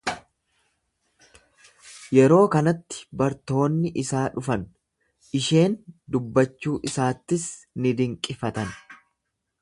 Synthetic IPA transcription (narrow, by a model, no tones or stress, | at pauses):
jɛɾo̞ːkɐnɐt̪ːɪ̥bɐɾt̪o̞ːnːɪʔɪsaːᶑʊfɐn | ʔɪʃe̞ːnd̪ʊbːɐt͡ʃːuːʔɪsaːt̪ːɪsnɪd̪ɪŋkʼɪfɐt̪ɐn